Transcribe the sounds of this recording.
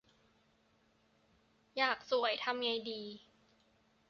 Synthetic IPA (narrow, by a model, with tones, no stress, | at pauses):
jaː˨˩k̚su˨˩˦əjt̪ʰa˧mŋa˧jdiː˧